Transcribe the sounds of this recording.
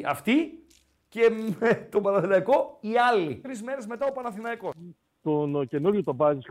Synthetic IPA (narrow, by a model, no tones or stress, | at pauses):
ɐ̰ft̪i | ce̞met̪o̞bɐnɐθinɐiko̞iɐlit̪ɾizme̞ɾe̞zme̞t̪ɐopɐnɐθinɐiko̞ | t̪once̞nuɾjut̪obɐzis